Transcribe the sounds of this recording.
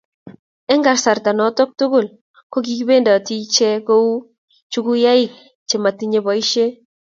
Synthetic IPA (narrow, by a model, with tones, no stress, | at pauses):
ɛ˦ŋɡa˨rsa˨rta˨nɔ˨tɔ˦k̚tʊ˦ɡʊ˨l | ko˦k̬i˦kbe˦nda˨ti˦t͡ʃɛ˦ko˦u˦ | t͡ʃu˦ku˦ja˦ɪ˦k̚ | t͡ʃe˨ma˨ti˦ɲe˨βɔ˨i˦ʃe˦